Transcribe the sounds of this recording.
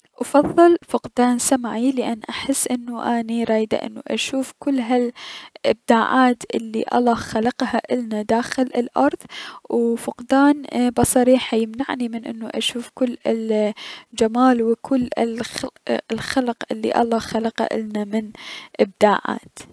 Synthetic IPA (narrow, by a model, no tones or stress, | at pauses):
ʔɑfɑðˤːɨlfʊqd̪aːnsamaʕilɪʔanːʔaħɪsːʔɪnːuʔaːniɾˤɑːjd̪a̰ʔɪ̰nːuʔa̰ʃuːfkʊlːɦalʔɪ̰b̚d̪aːʕaːt̪ʔɪlːḭʔɑ̰lˤːɑːxalɑqhaʔɪlnad̪aːxɪlɪlʔɑɾˤðˤwfʊqd̪aːnbɑsˤɑɾiːħajɪmnaʕnimɪnʔɪ̰nːuʔaʃuːfkʊlːl | d͡ʒamaːlwɪkʰʊlːɪl | lxalqʔɪlːḭʔɑ̰lˤːɑːxalɑqa̰ʔɪ̰lnamɪnʔɪb̚d̪aːʕa̰ːt̪